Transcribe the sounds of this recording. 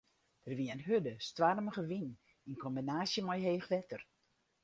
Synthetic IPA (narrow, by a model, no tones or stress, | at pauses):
d̥ərʋiəənɦødəstʋarməɣəʋin | inkʰɔmbinaːsjəmɔjɦeːxlɛtər